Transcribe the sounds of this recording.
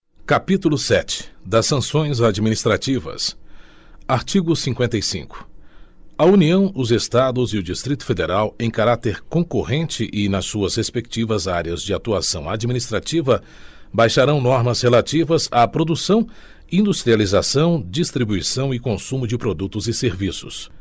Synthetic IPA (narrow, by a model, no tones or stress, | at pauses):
kapit̪ulʊsɛt͡ʃɪ̥d̪ɐsːɐ̃sõj̃zad͡ʒiminist̪ɾat͡ʃivɐ̰s | aɾt͡ʃiɡʊsĩŋkwẽnt̪ɐjsḭ̃kʊ̥ | ɐuniɐ̃w̃ʊzest̪ad̪ʊzɪʊd͡ʒist̪ɾit̪ʊ̥fed̪eɾawẽj̃kaɾat̪eɾkõkohẽnt͡ʃɪʔɪnɐsuɐshespek̚t͡ʃivɐzaɾjɐzd͡ʒɪat̪uasɐ̃w̃ad͡ʒminist̪ɾat͡ʃivɐ | bajʃaɾɐ̃w̃nɔɾmɐshelat͡ʃivɐzapɾod̪usɐ̃w̃ | ĩnd̪ust̪ɾializasɐ̃w̃d͡ʒist̪ɾibuisɐ̃w̃ɪkõsũmʊd͡ʒɪpɾod̪ut̪ʊzɪseɾvisʊs